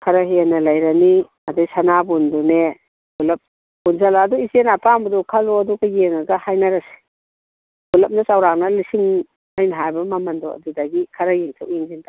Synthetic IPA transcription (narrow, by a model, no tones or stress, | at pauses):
kʰɐɾaɦienɐlɐjɾɐni | ɐdajsanabundune | bulɐp̚ | bunzalaːduizenapambɐdɔkʰɐlɔɐduɡɐjeŋɐɡɐhajnaɾɐse̥ | bulɐp̚nɐsawɾaŋnɐlisiŋ | ajnɐɦajbɐmɐmɐndɔɐ̰dudaɡikʰɐɾajeŋtʰawjiŋziŋtʰa